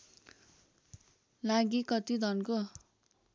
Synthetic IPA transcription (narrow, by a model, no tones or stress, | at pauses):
laɡikʌt̪id̪ʱʌnko